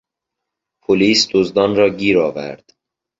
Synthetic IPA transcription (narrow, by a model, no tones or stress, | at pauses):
pʰoliːsd̪ozd̪ɒːnɾɒːɡiːɾɒːvæ̰ɾd̪̥